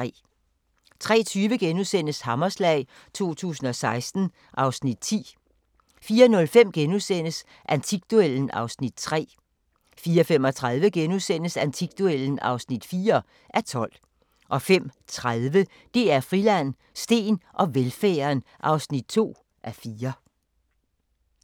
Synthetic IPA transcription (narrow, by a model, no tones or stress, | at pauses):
ɛ̰ | t͡sʰʁɛ̰ːt͡sʰyːʋəɡ̥enuðˠsen̰əshɑ̈mɐslɛɪ | t͡sʰo̝̰ːt͡sʰṵːsn̩ɒ̽sɑ̈ɪsd̥n̩ | ʔɑ̈ʊsnid̥̚t͡sʰḭː | fiːɐnɔ̽lfem̰ɡ̥enusen̰əs | ʔænt͡sʰiɡ̥̚d̥ueln̩ɑ̈ʊsnid̥̚t͡sʰʁɛ̰ː | fiːɐfem̰ɒ̽t͡sʰʁað̞ˠʋəɡ̥enusen̰əsænt͡sʰiɡ̥̚d̥uel̰n̩ɑ̈ʊsnid̥fiːɐ | ʔæɐt͡sʰɒ̽l̰ | ʔɒ̽fem̰t͡sʰʁaðˠʋə | d̥e̝æɐfʁilæn̰ | sd̥e̝̰ːnʔɒ̽ʋelfæːɐnʔɑ̈ʊsnid̥̚t͡sʰo̝̰ː | ʔæfiːɐ